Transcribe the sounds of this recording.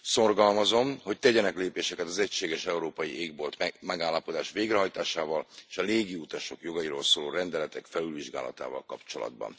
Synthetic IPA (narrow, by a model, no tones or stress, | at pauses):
so̞rɡɒlmɒzo̞mho̞c̚t̪ɛɟɛnɛkleːpeːʃɛkɛt̪ɒzɛcʃeːɡɛʃɛuɾoːpɒjiʔeːɡbolt̪mɛɡaːlːɒpo̞d̪aːʃʋeːɡrɛɦɒjt̪aːʃaːvɒleːʃɒleːɡiut̪ɒʃo̞kjo̞ɡɒjiɾoːlsoːlo̰ːrɛnd̪ɛlɛt̪ɛkfɛlylviʒɡaːlɒ̰t̪a̰ːvɒ̰lkɒpt͡ʃo̞̰lɒ̰d̪̚bɒ̰n